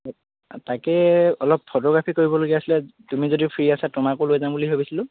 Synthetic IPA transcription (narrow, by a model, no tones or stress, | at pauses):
takɛɔlɔpʰːotɔɡɹapʰikoɹibɔloɡiasilatumizodiʊpʰɹiasatʊmakʊlojɛzambuliɦobisilʊ̃